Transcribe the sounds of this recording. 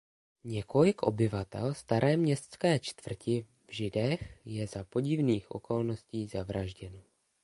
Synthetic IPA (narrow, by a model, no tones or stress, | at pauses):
ɲɛko̞lɪkʔo̞̰bɪvat̪ɛ̰lst̪aɾʔɛːmɲɛst̪t͡skɛːt͡ʃt̪vr̩cɪ | vʒɪdɛxjɛzapo̞ɟɪvniːxʔo̰ko̞lno̞sciːzavɾʔaʒɟɛno